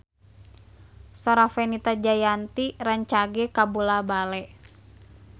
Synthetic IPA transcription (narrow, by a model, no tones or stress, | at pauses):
sɔɾafɛnit̪ad͡ʒajant̪iraɲt͡ʃaɡɛkabulabalɛ